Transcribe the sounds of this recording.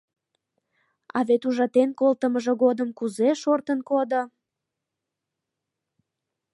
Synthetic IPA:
ɑβet̪uʒɑt̪enkolt̪əməʒoɣod̪əmkuzeʃort̪ənkod̪o

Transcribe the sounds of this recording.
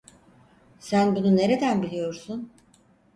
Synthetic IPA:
sænbunune̞ɾe̞d̪ænbilʲijo̞ɾsun

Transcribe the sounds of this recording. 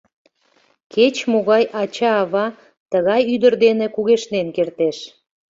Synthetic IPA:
ket͡ɕmoɣɑjʔɑt͡ɕɑːβɑ | t̪əɣɑjyd̪ərd̪enekuɣeʃnenkert̪eʃ

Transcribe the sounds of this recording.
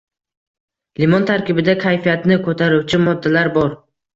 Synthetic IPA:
limɒnt̪ʰaɾkʲɪbɪd̪akʲʰajfijat̪nɪkʰot̪ʰaɾuwt͡ʃʰɪmɒd̪ːalaɾbɒɾ

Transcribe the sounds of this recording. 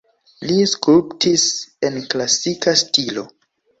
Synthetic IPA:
liskulptʰise̞nklasikastilo̞̰

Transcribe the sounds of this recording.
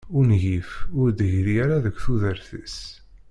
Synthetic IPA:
ʊɾnʝifʊɾd̪ɦɾjaɾaðəkʷːθuðəɾθəs

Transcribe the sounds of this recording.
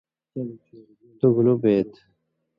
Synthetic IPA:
t̪uɡulubeːt̪

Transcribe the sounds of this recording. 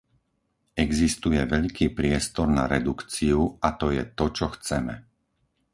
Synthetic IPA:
ɛɡzist̪ujɛʋɛʎkiːpɾɪɛst̪ɔɾna̰ɾɛd̪ukt͡siuat̪ɔjɛt̪ɔt͡ʃɔxt͡sɛmɛ

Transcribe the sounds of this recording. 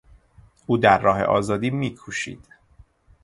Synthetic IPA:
ʔuːd̪æɾːɒːɦḛʔɒ̰ːzɒːd̪iːmiːkʰuːʃḭːd̪̥

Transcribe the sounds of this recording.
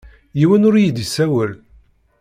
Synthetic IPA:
jiwænʊɾjid̪isæwəl

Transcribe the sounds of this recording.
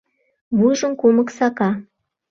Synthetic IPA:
mujʒə̆nkoməksɑkɑ

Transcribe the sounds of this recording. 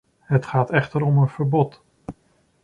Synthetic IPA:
ɦətχaːtɛχtəɾɔmənv̥əɹbɔt

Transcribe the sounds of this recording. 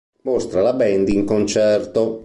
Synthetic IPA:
most̪ɾalabɛnd̪iŋkont͡ʃɛrt̪o

